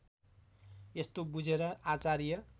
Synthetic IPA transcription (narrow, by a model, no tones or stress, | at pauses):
est̪obud͡zʱeɾʌat͡saɾijʌ